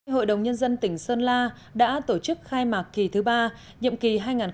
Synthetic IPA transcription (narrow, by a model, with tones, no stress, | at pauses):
ɦo̰˧˨jɗə˨˩wŋ͡mɲə˧nzə˧nt̪ï˧˩ŋ̟səː˧nlaː˧ | ɗa̰ː˧˥t̪o˧˩t͡ɕɨ˦˥k̚xaː˧jmaː˨˩kki˨˩t̪ʰɨ˨˦ɓaː˧ | ɲḭ˧˨mki˨˩ɦaː˧jŋaː˨˩n